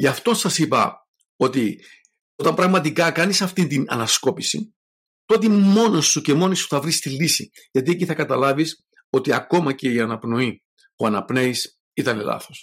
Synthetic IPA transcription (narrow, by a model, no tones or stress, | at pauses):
ʝɐft̪o̞nsɐsipɐ̰ | o̞t̪i | o̞t̪ɐmbɾɐɣmɐt̪ikɐkɐnisɐft̪int̪inɐ̰nɐsko̞pisḭ | t̪o̞t̪imo̞nosːuce̞mo̞nisu̥θɐvɾist̪ilːisḭ | ʝɐt̪ie̞ciθɐkɐt̪ɐlɐvis | o̞t̪iɐko̞mɐce̞iɐnɐpno̞i | puɐnɐpne̞is | it̪ɐne̞̰lɐ̰θo̞s